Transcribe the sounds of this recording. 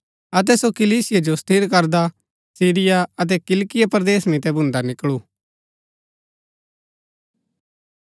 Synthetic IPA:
ɐt̪̬ɛsokɪliːsɪjad͡ʒost̪ʰiɾkɐɾd̪a | siːɾɪjaɐt̪̬ɛkɪlkɪjapɐɾd̪eːsmɪ̃t̪ɛbʱʊ̃nd̪anɪkɭuː

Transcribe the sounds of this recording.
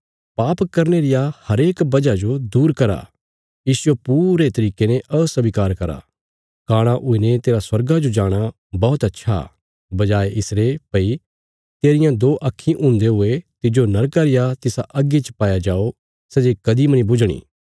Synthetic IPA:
paːpkɐɾneɾɪjahɐɾeːkbɐd͡ʒad͡ʒod̪uːɾkɐɾa̰ | jiːsʊepuːɾet̪ɐɾiːkenẽʔɐsɐbikaːɾkɐɾa̰ | kaːɽ̃ãʔʊenẽt̪eːɾaswɐɾɡad͡ʒod͡ʒaːɽ̃a | bɔːt̪ɐtːʃʰa̰ | bɐd͡ʒaːeʔɪsɾepɐi | t̪eːɾɪjãd̪oːʔɐkʰːĩʔʊ̃ːnd̪eɦʊet̪ɪd͡ʒonɐɾkaɾɪjat̪ɪsaʔɐɡet͡ʃpaːjad͡ʒaːo | sɛːd͡ʒekɐd̪imɐnĩbʊd͡ʒɽ̃ḭː

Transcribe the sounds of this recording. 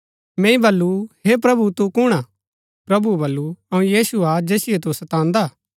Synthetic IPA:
mɛ̃ːĩbɐlːuɦep̬ɾɐbut̪ukʊɽ̃aː | pɾɐbubɐlːuɐũjiːsuad͡ʒeːsɪet̪̬usɐt̪ãːnd̪aː

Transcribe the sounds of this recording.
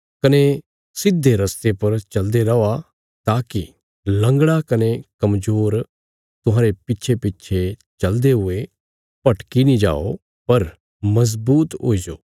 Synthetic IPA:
kɐne | sɪd̪ʱːeɾɐst̪epɐɾt͡ʃɐld̪eɾɐa | t̪aːki | lɐ̃ŋɡɽakɐnekɐmzoːɾ | t̪ʊɦãːɾepɪtːt͡ʃʰepɪtːt͡ʃʰet͡ʃɐld̪eɦʊe | pɐʈkinĩd͡ʒa̰ːo | pɐɾ | mɐz̬buːt̪o̰ːid͡ʒoː

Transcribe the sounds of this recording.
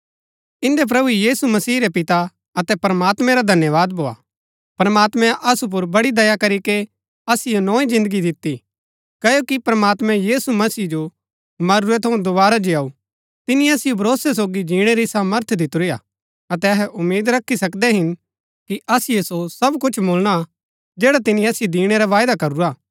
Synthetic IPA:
ɪ̃nd̪ep̬ɾɐbujiːsumɐsiːɾepɪt̪a | ɐt̪ɛpɾəmaːt̪mɛ̃ɾad̪ʱɐnjəʋaːd̪̚boːa̰ː | pɾɐmaːt̪mɛ̃ʔɐsup̬ʊɾbɐɽid̪ɐjakɐɾike | ɐsɪjonɔːĩd͡ʒɪ̃nd̪əɡid̪ɪt̪ːi | kɐjokipɾəmaːt̪mɛ̃jiːsumɐsiːd͡ʒo | mɐɾuet̪ʰɐũd̪ʊbaːɾad͡ʒiaːu | t̪ɪnĩɐsɪjobʱɐɾoːsɛs̬oːɡid͡ʒĩːɽ̃eɾisaːməɾt̪ʰd̪ɪt̪ɾija̰ː | ɐt̪ɛɐɦɛʔʊmːeːd̪ɾɐkʰːisɐkd̪ɛɦɪn | kiʔɐsɪjesosɐbkʊt͡ʃʰboːlɽ̃a | d͡ʒeːɽat̪ɪnĩɐsɪjod̪iːɽ̃eɾaʋaːjd̪akɐɾuɾaː

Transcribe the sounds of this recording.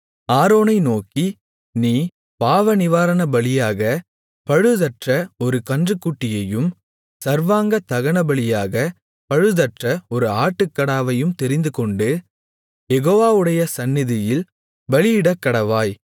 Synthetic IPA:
aːɾoːnɐɪnoːki | niː | paːʋɐnɪʋaːɾɐnɐbɐɭɪjaːɣɐ | pɐɻɯðɐʈrɐɔɾɯkɐndrɯkːuʈːɪjɐjɯm | sɐɾʋaːŋɡɐt̪ɐɣɐɳɐbɐɭɪjaːɣɐ | pɐɻɯðɐʈrɐɔɾɯaːʈːɯkːɐɽaːʋɐjɯmt̪ɛɾɪnd̪ɯkɔɳɖɯ | jɛɣoːʋaːʋɯɽɐjɐsɐnːɪðɪjɪl | bɐlɪjɪɽɐkːɐɽɐʋaːj

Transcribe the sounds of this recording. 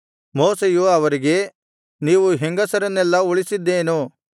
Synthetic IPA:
moːsejuaːʋɐɾiɡe | niːʋuɦɛŋɡɐsɐɾɐnɛːlːɐʊɭisid̪eːnoː

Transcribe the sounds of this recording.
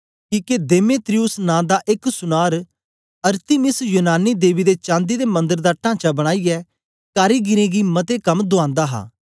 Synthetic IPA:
kiːked̪eːmeːt̪ɾiʊsnãːd̪aʔɪksʊnaːɾ | ɐɾt̪ɪmɪsjuːnaːnːiːd̪eːʋid̪et͡ʃãːnd̪iːd̪eːmɐ̃nd̪əɾd̪aːʈãːt͡ʃabɐɽ̃aːiɛ | kaːɾiːɡɪɾẽɡimɐt̪ekɐmd̪ʊãːnd̪aːɦa̰ː

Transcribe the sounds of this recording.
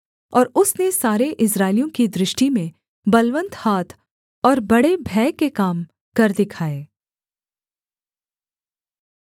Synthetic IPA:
ɔːɾʊsnesaːɾeʔɪsɾaːɪlijõkid̪ɾɪʃʈimẽ | bɐlʋə̃nt̪haːt̪ʰ | ɔːɾbɐɽebʱɛːkekaːm | kɐɾd̪ɪkʰaːeː

